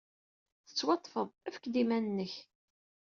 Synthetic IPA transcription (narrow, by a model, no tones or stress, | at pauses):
θə̥t͡sːwɑt̪ˤːfəðˤæfə̥kːd̪imænənːəç